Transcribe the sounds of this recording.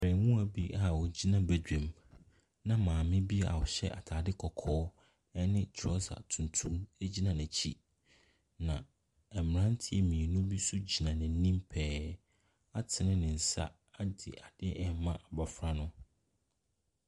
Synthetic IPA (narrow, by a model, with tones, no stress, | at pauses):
ɛ˨ɾɛ˨wũ˦æ˨bi˦a˨wɔ˨d͡ʑi˦nã˨bæ˨dᶣɛ̃˨m | nã˦mãː˨mɪ̃˦bi˦a̰˨wɔ˨ɕɛ̰˦ʔa̰˨tʰaː˨dɪ˦kʰɔ˨kʰɔː˦ | ɛ˦nɪ̃˦tʰɔ˦sa̰˨tʰũ˨n˨tʰũ˦æ˦d͡ʑi˦nã˨næ̃˨t͡ɕʰi˦ | nã̰˨ | ɛ˨m˨ɾã˦n˦tʰɪ˦ɛ˨mĩ˨nũ˦bi˦su˦d͡ʑi˨nã˨nɪ̃˨n̩˦nĩ˦mpʰɛː˦ | a˦tʰɪ˨nɪ̃˦nɪ̃˨n̩˨sa̰˦ | a˦dɪ̰˨ʔa˨dɪ˦ɛ˨mmã˦ʔa˨ba˨fɾa˦nʊ̃˦